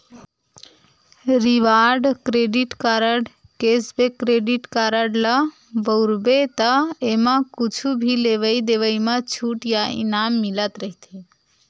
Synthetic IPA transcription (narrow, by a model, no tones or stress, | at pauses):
ɾiʋaɾɖkɾeɖiʈkaɾəɖ | kesbekɾeɖiʈkaɾəɽlə | bəʊɾbet̪əemakut͡ʃʰubʱileʋəjd̪eʋəjmet͡ʃʰuʈjaḭnamːilət̪ɾəɦit̪ʰe